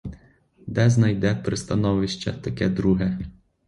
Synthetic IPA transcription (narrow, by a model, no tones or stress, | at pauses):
d̪ɛznɐjd̪ɛpɾɪst̪ɐnɔʋɪʃt͡ʃɛ̰t̪ɐkɛd̪ɾuɦɛ